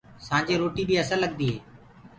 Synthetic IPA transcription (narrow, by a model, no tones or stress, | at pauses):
sãːd͡ʒeːɾoːʈiːɓiːəsə̃ləɠ̚nd̪iːɦeː